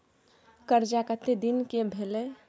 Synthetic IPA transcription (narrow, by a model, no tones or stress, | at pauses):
kəɾd͡ʒakət̪ʰːed̪inkebʱele